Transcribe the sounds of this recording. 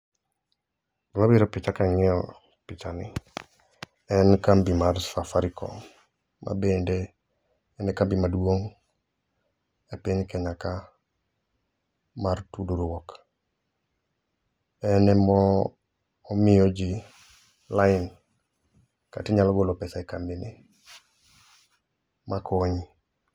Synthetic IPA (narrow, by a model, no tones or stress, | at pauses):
mabiɾɔpɪt͡ʃakaŋɛɔ | pɪt͡ʃani | ɛnkambimaɾsafaɾikɔ̰ | ma̰bendeː | nɛkambimadwoŋ | epiɲkɛɲaka | maɾtuduɾuwok | enemoː | mioɟi | lain | ka̰tiɲalɡolopesaekambine | makʰoɲi